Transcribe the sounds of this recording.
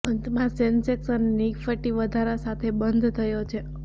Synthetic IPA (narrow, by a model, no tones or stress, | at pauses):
ənt̪mãsenseksənːikfəʈiʋəd̪ʱaɾasat̪ʰebənd̪ʱt̪ʰəjot͡ʃʰe